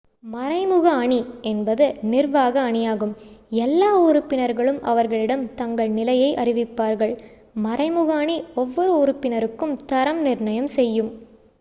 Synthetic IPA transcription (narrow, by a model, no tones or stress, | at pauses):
mɐɾɐɪmɯɣaːɳiɛnbɐðɯnɪrʋaːɣɐːɳɪjaːɣɯmɛlːaːʊɾʊpːɪnɐɾɣɐɭɯmʔɐ̰ʋɐɾɣɐɭɪɽɐmt̪ɐŋɡɐɭnɪlɐjɐɪʔɐrɪʋɪpːaːɾɣɐɭ | mɐɾɐɪmɯɣaːɳiɔʋːɔɾɯʊɾʊpːɪnɐɾɯkːɯmt̪ɐɾɐmnɪɾɳɐjɐmsɛjːɯm